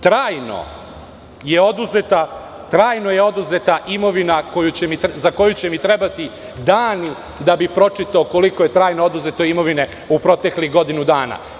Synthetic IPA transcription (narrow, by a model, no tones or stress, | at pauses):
t̪ɾaːjno̰ | je̞o̞d̪uzet̪a | t̪ɾaːjno̞jeo̞d̪uze̞t̪aʔimo̞ʋinako̞jut͡ɕemizako̞jut͡ɕe̞mit̪ɾebat̪i | d̪aːni | d̪abipɾo̞t͡ʂit̪aoko̞liko̞je̞t̪ɾaːjnood̪uze̞t̪o̞imo̞ʋine̞ | upɾo̞t̪e̞kliɣɡo̞d̪inud̪aːna̰